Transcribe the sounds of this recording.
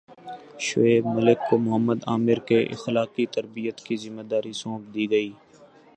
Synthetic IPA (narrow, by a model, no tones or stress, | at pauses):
ʃʊeːbməlɪkːomʊɦəmːəd̪aːmɪɾkeʔɪ̰xlaːqit̪ɐɾbijət̪kizɪmːeːd̪aːɾisõːpd̪iːɡɐiː